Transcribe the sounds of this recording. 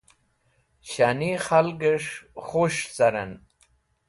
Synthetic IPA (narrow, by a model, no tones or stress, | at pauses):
ɕaniχalɡəʂχoʂt͡saɾan